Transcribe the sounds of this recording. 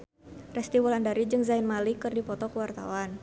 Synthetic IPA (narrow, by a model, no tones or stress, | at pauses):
rɛst̪iwɔlandaɾid͡ʒɨŋzainmalikɨrdipɔt̪ɔkəwart̪a̰wan